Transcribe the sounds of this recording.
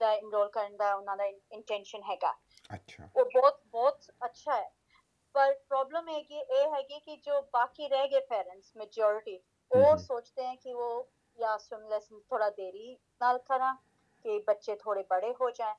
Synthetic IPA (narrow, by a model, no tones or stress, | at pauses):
d̪aɪ̃nɾɔːlkɐɾnd̪aɦɛʊnɦãd̪aɪ̃ɳʈɛ̃ːnʃənɦɛːɡa̰ː | oːbɔːt̪bɔːt̪ɐtːʃʰaɦɛː | pɐɾpɾɔːbləmeːɡieɦɛːɡikid͡ʒoːbaːkiɾɛɦɡepeːɾə̃ɳʈsmɛd͡ʒɔːɾɪʈi | oːsoːt͡ʃt̪eɦɛ̃kiʋo | jasɪmlɛsnt̪ʰoːɽad̪eːɾi | naːlkɐɾãː | kieibɐtːʃet̪ʰoːɽebɐɽeɦod͡ʒaːẽː